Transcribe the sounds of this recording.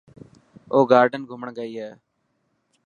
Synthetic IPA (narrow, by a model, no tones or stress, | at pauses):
oːɡaːɾɖənɡʱʊməɳɡəiːɦɛː